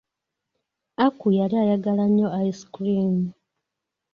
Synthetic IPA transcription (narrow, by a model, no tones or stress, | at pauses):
akujaliajaɡalaɲːo̞aisi̥kliːn